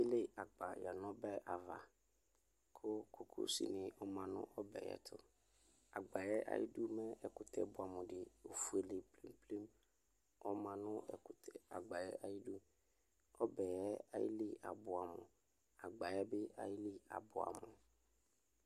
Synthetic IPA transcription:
e˦le˦a˨ɡ͡ba˨jɛ˨nɔ̃˦bɛ˦˨ʔa˨va̰˨ | kʰʊ˦kʰo˨kʰo̰˦sḭ˦nɪ̃˨ʔɔ˨mã˨nʊ̰̃˦ʔɔ˦bɛ̰˨ɛ̰˨˦t̪ʰʊ˨ | a˨ɡ͡ba˨jɛ˦ʔa̰˦jḭ˦du˦mɛ˦ɛ˨kʊ˨t̪ʰɛ˦bʊ˨a˨mʊ̃˨dɪ˨o˨fu˨e˨le˨pli˦mple˦m | ɔ˦mã˨nʊ̃˦ɛ̰˨kʊ˨t̪ʰɛ˦˨a̰˨ɡ͡ba˨jɛ̰˦ʔa˨ji˦du˦ | ɔ˦bɛ˨jɛ˦a̰˦jɪ̰˦li˦a̰˨bʊ˨a˨mʊ̰̃˨ | a˨ɡ͡ba˨jɛ˦bɪ˦a̰˨ji˦li˦a̰˨bʊ˨a̰˨mʊ̃˨

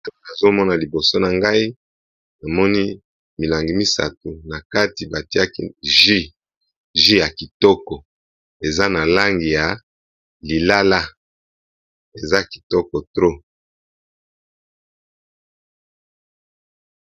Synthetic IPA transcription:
a˨zo˦mɔ˦na˨li˨bo˨so˦na˨ŋɡa˦i˦ | na˨mɔ˦ni˦ | mi˨la˨ŋɡi˨mi˦sa̰˨tu˨na˨ka˦ti˨ba˨ti˦a˦ki˦ʒi˦ | ʒi˦ja˨ki˨tɔ˦kɔ˨ | e˨za˦na˨la˦ŋɡi˨ja˨ | li˨la˦la˦ | e˨za˦ki̥˨tɔ˦kɔ˨tʁo˦

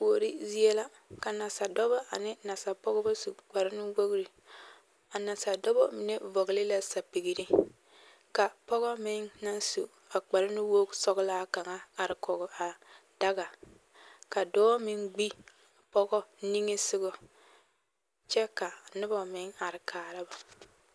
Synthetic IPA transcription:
po˨ɾi˦zi˦e˦la˦ | ka˨na˨sa˨dɔ˦bɔ˦a̰˨nɪ˦na˨sa˨pɔ˦ɡɔ˦ba˦su˨k͡pa˨ɾɪ˦nɪ˦ɡ͡bo˦ɡɾi˨ | a˨na˨sa˨dɔ˦bɔ̰˦mɪ˨ne˦vo˨ɡli˦la˦sa˨pi˨ɡi˨ɾi˦ | ka˨pɔ˦ɣɔ˦mɪ˦ŋna˦nso̰˨ | a˨k͡pa˨ɾɪ˦nɪ˦wo˦ksɔ˦ɡlaː˦ka˨ŋa˦a˨ɾɪ˨kɔ˨ɡɔ˨a˨ | da˦ɡa˨ | ka˨dɔː˦mɪ˦ŋɡ͡bi˦˨ | pɔ˦ɡɔ˦ni˦ŋe˦sɪ˦ɡɔ˨ | t͡ʃɛ˦ka˨nɪ˦bɔ˨mɪ˨˦ŋa˨ɾɪ˨kʰaː˨ɾa˦ba˨

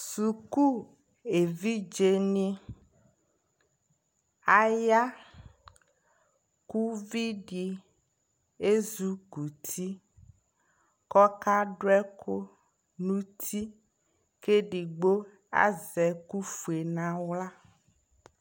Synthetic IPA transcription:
su˨ku˦ | e˨vi˦d͡ʒe˦nĩ˦ | a˨ja˦ | ku˦vi˦ɖi˨ | e˦zu˦ku˨t̪ʰi˦ | kɔ˦ka˦ɖo˦ɛ˦kʰo˦ | nũ˦t̪ʰi˦ | ke˦ɖi˨ɡ͡bo˦ | a̰˦˨zɛ˨ku˦fu˨e˨nã˦wla˦

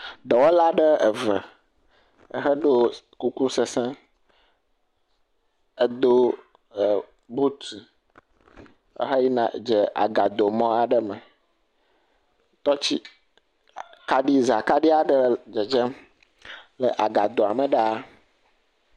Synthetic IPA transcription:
d̪ɔ˨wo˦la˦ɖə˦ə˨və˨ | ə˨ɦə˦ɖo˦ | ku˦ku˦sə˨sɛ̃˦ | ə˦d̪o˦˨ | bu˦t̪i˨ | ə̰˦ɦə˦ji˦nã˨d͡ʒə˨a̰˨ɡa˨d̪o˨mɔ̃˦a˨ɖə˨mə˨ | t̪ɔ˦t͡ɕi˦ | ka˦ɖi˦za˨ka˦ɖi˦a˨ɖə˦d͡ʒə˨d͡ʒə˦ | lə˨ʔa˨ɡa˨d̪o˨a˨mə̃˨ɖa˦

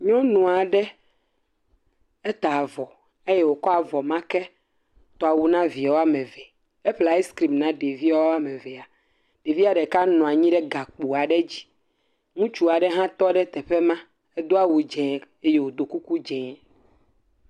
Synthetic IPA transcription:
ɲɔ̃˦nũ˨a˨ɖɛ˦ | ɛ˦t̪a˨vɔ˨ | e˦jɛ˦wo˨kɔ˦a˨vɔ˨mã˦kɛ˦ | t̪ɔ˨a˨wu˨nã˦vi˨o˦a˦mɛ̃˨vɛ˨ | e˦ɸla˨e˦skɾi˨mnã˦ɖe˨vi˦wo˦a˦mɛ̃˨vɛ˨a˨ | ɖ̥e˨vi˦a˨ɖɛ˨ka˦nɔ̃˨a˨ɲĩ˦ɖɛ˦ɡa˨k͡pu˨a˨ɖɛ˦d͡ʑi̥˨ | ŋũ˦t͡ʃu˦a˨ɖɛ˦ɦã˦t̪ɔ˦ɖɛ˦t̪ɛ˨ɸe˦mã˦ | e˦d̪o˦a˨wu˨d͡ʒɛ̃˨ | e˦je˦wo˨d̪o˨ku˦ku˦d͡ʒɛ̃˨

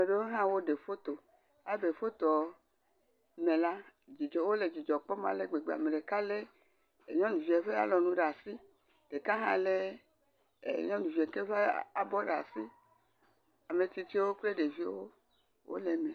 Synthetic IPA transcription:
me˨ɖe˦wo˦ɦã˦wo˦ɖe˨fo˦t̪o˨ | a˦be˨fo˦t̪ɔ˨ | mẽ˨la˦d͡ʒi˨d͡ʒɔ˨wo˦le˨d͡ʒi˨d͡ʒɔ˨k͡pɔ˦mã̰˨le˦ɡ͡be˨ɡ͡be˨a̰˨me˨ɖe˨ka˦le˦˨ | ɲɔ̃˦nũ˨vi˨e˨ɸe˦a̰˦lɔ˨nũ˦ɖa˨si˦ | ɖ̥e˨ka˦ɦã̰˦le˦˨ | ɲɔ̃˦nũ˨vi˨e˨ke˦ve˦a˨bɔ˦ɖa˨si˦ | a˨me˨t̪i˨t̪i˦wo˦k͡ple˦ɖe˨vi˦e˦wo˦ | wʔo̰˦le˨mẽ˨

